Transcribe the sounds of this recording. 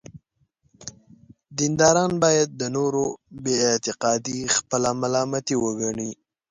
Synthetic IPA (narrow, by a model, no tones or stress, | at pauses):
d̪ind̪ɑɾɑnbɑjad̪̚ːənoɾobeːt̪ɪqɑd̪ixpəlamalɑmat̪iwəɡaɳi